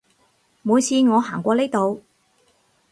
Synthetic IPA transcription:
muː˨˧jsiː˧nŋɔː˨˧ɦaː˨˩ŋkʷɔː˧leː˥jt̪o˨˧w

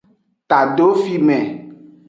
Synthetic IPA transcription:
t̪a˨ɖo˦fi˦mɛ̃˨

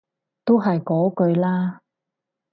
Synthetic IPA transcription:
t̪o˥wɦɐ˨jkɔː˨˥kɵ˧ɥlaː˥

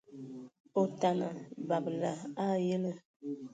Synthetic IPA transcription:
o˨ta˨na˨ba˨bla˨a˦jə˦lə˦

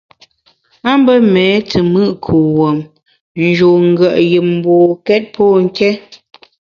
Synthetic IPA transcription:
a˦mbə˦mɛː˨˦tə˨mɨ˦ʔkʰu˨wo˨m | n̩˨d͡ʒo˨ŋ̩˦˨ɡə˨ʔji˨m̩˦bo˨kɛ˦t̚pʰɔː˦˨ŋ̩˦kɛ˦

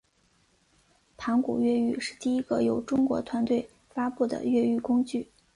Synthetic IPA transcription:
p̪ʰa˧˥ŋkṵ˨˩ɥɛ˥˧y˥˧ʂɻ̩˥˧t̪i˥˩i˥ɡ̥ə˧jo˨˧˩ʊʈ͡ʂʊ˥ŋkwɔ̰˧˥t̪ʰwa˧˥nt̪we˥˩ɪ | fa˥pu˥˩d̪ə̰˩ɥɛ˥˧y˥˩kʊ˥ŋt͡ɕy˥˩

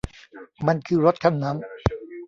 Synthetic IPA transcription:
ma˧nkʰɯː˧ɾo˦˥t̪̚kʰa˧˥˩mna˦˥m

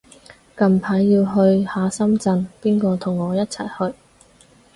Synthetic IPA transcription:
kɐ˧mpʰaː˨˥jːiː˧wɦɵ˧ɥhaː˨˧sɐ˥mt͡sɐ˧npiː˥nkɔː˧t̪ʰʊ˨˩ŋɔː˨˧jɐ˥t̚t͡sʰɐ˨˩jhɵ˧ɥ

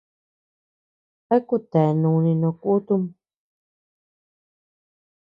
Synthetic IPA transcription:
a˦ku˦˨t̪e˨nũ˧nĩ˧nõ˧ku˦t̪u˧˦m

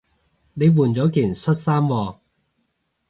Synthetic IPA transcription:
ne˨˧jwuː˨˩nt͡sɔː˨˥kiː˨˩nsʰɵ˥t̚saː˥mwɔː˧

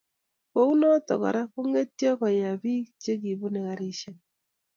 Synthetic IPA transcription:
ko˦u˦nɔ˦tɔ̰˨kɔ̰˨ɾa˦ko˦ŋe˦tjɔ˦kɔ˨ja˨bi˦t͡ʃe˦k̬i˨bu˦ne˨ka˨ɾi˦ʃe˦n

